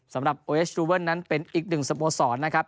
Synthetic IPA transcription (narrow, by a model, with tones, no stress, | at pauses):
sa˩˦mɾa˨˩p̚ʔoː˧ʔeː˦˥sɾuː˧wɤː˥˩nːa˦˥npe˧nʔiː˨˩k̚nɯ˨˩ŋsa˧poː˧sɔː˩˦nːa˦˥kʰa˦˥p̚